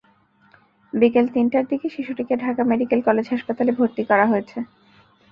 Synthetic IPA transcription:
bikelt̪inʈaɾd̪ikeʃiʃuʈikeɖʱakameɖikelkɔled͡ʑɦaʃpat̪alebʱoɾt̪ikɔɾaɦoet͡ɕʰe

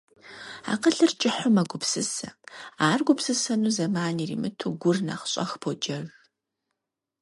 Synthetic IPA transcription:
a̰ːqəɬɨrt͡ʃʼɪħʊmɐɡʷʊpsɨsɐ̰aːrɡʷʊpsɨsɐnuːzɐmaːnirḭmɨtʰuːɡʷʊrna̰χɕʼɐ̰xpʰod͡ʒɐɣ

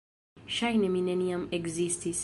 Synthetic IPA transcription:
ʃajneminɛniãmeɡzistis

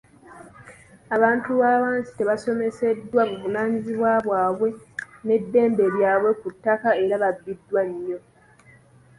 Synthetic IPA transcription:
aβaːntuβaːβaːnsi̥te̞βaso̞me̞se̞dːwamuβunaːɲiziβwaβwaːβwe̞ne̞dːe̞ːmbeljaːβwe̞kutːakaeɾaβabːidːwaɲjo̞

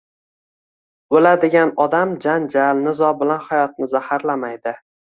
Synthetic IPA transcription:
bolad̪ɪɡʲanɒd̪amd͡ʒand͡ʒalnɪzɒbɪlanhajɒt̪̚nɪzahaɾlamajd̪ɪ

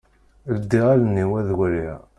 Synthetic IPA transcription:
ləd̪ːiʁalənːiwæðwælḭʁ

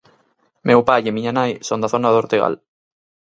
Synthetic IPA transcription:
mʔewpajemiɲanajsond̪aθonaðoɾt̪eɣ̞a̰l

